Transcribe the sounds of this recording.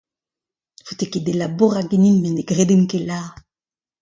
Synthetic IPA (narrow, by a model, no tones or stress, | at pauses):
fut̪eked̪elaboʁaɡeninmeneɡʁed̪emkela